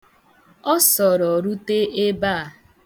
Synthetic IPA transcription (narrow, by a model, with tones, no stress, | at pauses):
ɔ˦sɔ˨ɾɔ˨ɾu˦te˦ʔe˦ba˦˨